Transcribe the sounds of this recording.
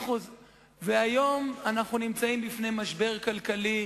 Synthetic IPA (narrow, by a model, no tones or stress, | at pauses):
χuz | veajo̞manaχnunimt͡saimbifne̞jmaʃbe̞ʁkalkali